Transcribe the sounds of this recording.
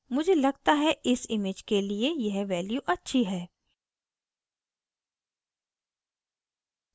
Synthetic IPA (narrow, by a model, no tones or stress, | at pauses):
mʊd͡ʒʱelɐɡt̪aɦɛʔɪsɪmeːd͡ʒkeliejɐɦʋɛːljuʔɐtːʃʰiɦɛː